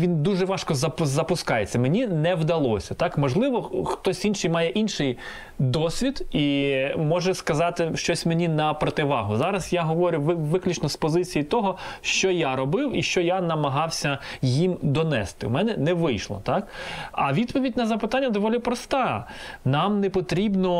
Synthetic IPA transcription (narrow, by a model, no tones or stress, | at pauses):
ʋʲind̪uʒɛʋɑʃkɔzɐpʊzɐpʊskɑjet͡sʲːɐmenʲinɛwd̪ɐlˠɔsʲɐt̪ɑkmɔʒlˠɪʋɔxt̪ɔsʲinʃɪjmɑjɛʔinʃɪj | d̪ɔsʲʋʲid̪imɔʒɛskɐzɑt̪ɪʃt͡ʃɔsʲmenʲinɐpɾɔt̪ɪʋɑɦʊzɑɾɐzjaɦɔʋɔɾʲʊʋɪʋɪklʲʊt͡ʃnɔspɔzɪt͡sʲijit̪ɔɦɔʃt͡ʃɔjaɾɔbɪwiʃt͡ʃɔjanɐmɐɦɑwsʲɐjimd̪ɔnɛ̰st̪ɪ̰wmɛnɛnɛʋɪjʃlˠɔ̰t̪ɑkɐʋʲid̪pɔʋʲidʲnɐzɐpɪt̪anʲːɐd̪ɔʋɔlʲipɾɔst̪ɑnɑmnɛpɔt̪ɾʲibnɔ